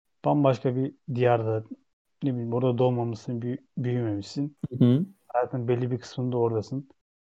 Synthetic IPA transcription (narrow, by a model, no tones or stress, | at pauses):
b̪̥ambaʃkʰabid̪ijaɾd̪a | nebilʲiimboɾd̪ad̪o̞lˠmamɯsɯnbbyjymemiʃsin | hajaːt̪ʰɯnɯnbe̞lʲːibikʰɯ̥smɯnd̪aoɾd̪asɯn